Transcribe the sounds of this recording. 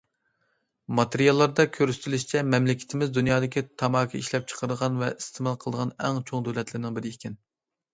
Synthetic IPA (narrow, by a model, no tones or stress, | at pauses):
mɑt̪ʰeɾijɑlˠːɑɾd̪ɑkʲʰøɾsɪ̥t̪ʰlyʃt͡ʃʰɛmɛmlɪkʲʰɪ̥t̪ʰɪmɪzd̪unjɑːd̪ɪkʲit̪ʰɑmɑːkʲʰiiʃlɛp̚t͡ʃʰə̥qʰəɾɨd̪əʁɑnvɛʔist̪ʰemɑlˠqʰəlˠd̪əʁɑnɛŋt͡ʃʰoŋd̪ølɛt̪lɪɾɪnɪŋbɪɾɪikʲʰɪn